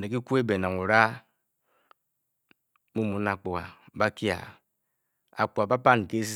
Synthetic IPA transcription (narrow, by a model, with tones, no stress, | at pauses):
ne˨ki˦ku˦e˦be˨na˨ŋu˨ɾa˦ | mu˦mu˨˦na˨k͡po˨a̰˨ba˦kja̰˨ | a̰˨k͡pu˨a˨ba˦pa˦˨n˨ke˦s̬i˦